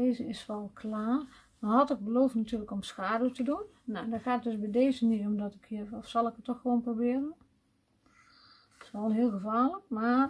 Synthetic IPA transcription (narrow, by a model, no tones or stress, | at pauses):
eːzəɪsʋɛlˠkʰlaːr | ʋɔnɦɔtɪk̚bəloːftnatyːələkɔmsxaːdəwtədunnandɔxaːtət̚døsbɛdeːzəniɔmdɔtɪkhiɔfsɑlˠɪkətːɔxxəʋoːnprobɪːərən | ɪ̥sʋɔlˠɦɪəlˠxəvaːləkmaːr